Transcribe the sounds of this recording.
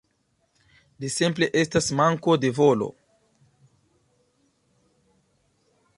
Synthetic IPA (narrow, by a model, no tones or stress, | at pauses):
lisimple̞ʔe̞stasmaŋko̞de̞volo̰